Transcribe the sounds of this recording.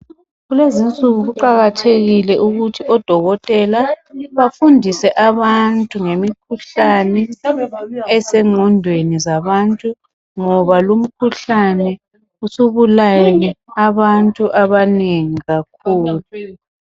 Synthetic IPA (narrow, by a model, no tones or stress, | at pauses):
ɣulezint͡sʼuɣuɣuǃaɣatʰeɣilɛʔuɣutʰiʔɔd̥ʱɔɣɔtʼɛlaβafundʱisɛʔaβantʼuŋemikʰuɬanɛ | ɛsɛŋ͡ǃʱɔndʱwenizaβantʼu | ŋɔβalum̩kʰuɬanɛ | usuβulanɛaβantʼuʔaβaneŋiɣakʰuːlu